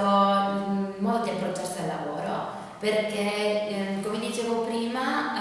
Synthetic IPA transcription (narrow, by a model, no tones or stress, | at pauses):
o | molt̪od̪iampɾot͡ʃːɛst̪d̪elːavoːɾo̰ | perke | komed̪it͡ʃeːvopɾiːma